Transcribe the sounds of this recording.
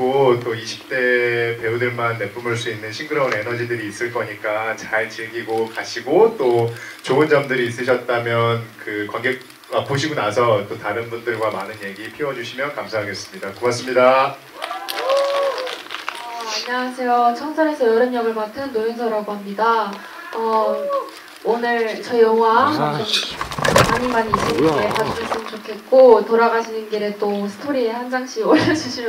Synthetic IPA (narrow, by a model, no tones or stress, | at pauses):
ot͈oiɕʰi̥p̚t͈e̞pe̞udɯɭmanːe̞p͈umɯɭs̬͈uinːɯnɕʰinɡɯɾʌune̞nʌd͡ʑidɯɾiːs͈ɯɭk͈ʌɲik͈at͡ɕaɭt͡ɕiɭɡiɡokaɕʰiɡot͈o | t͡ɕoɯnd͡ʑʌmdɯɾiːs̬͈ɯɕ̬ʰʌt̚t͈amjʌnkɯkwaŋɡe̞k̚ | ap͈oɕʰiɡonasʰʌt͈otaɾɯnbundɯɭɡwamanɯnje̞ɡipʰiwʌd͡ʑuɕʰimjʌnkamsʰaɦaɡe̞s͈ɯmɲidakumaks͈ɯmɲida | ʌaɲːawasʰe̞jot͡ɕʰʌŋsʰʌɾe̞sʰʌjʌɾɯmɲʌɡɯɭmatʰɯnːojɯnsʰʌɾaɡoɦamɲida | ʌ | onɯɭt͡ɕʌjʌŋɦwa | maɲimaɲiːɕ͈ɯnɡekad͡ʑɯd͡ʑɯɭs͈ɯmnt͡ɕokʰe̞t̚k͈otoɾaɡaɕʰinɯnɡeɾet͈osʰɯ̥tʰoɾiehand͡ʑaŋɕʰioɭjʌd͡ʑuɕʰi